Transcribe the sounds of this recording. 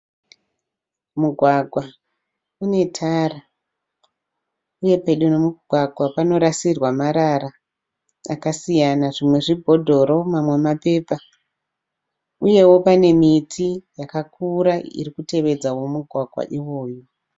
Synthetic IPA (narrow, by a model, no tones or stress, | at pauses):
muɡʱwaɡʱwa | une̞tʰara | uje̞pe̞ɗunomuɡʱwaɡʱwapano̞ɾasirwamaɾaɾa | a̰kasijanaʐimwe̞ʐibʱo̞dʱo̞ɾo̞mamwe̞mape̞ːpa | uje̞wo̞pane̞mitʰijakakuɾaḭrikute̞ʋe̞d͡zawo̞muɡʱwaɡʱwa̰ʔiwo̞ːjo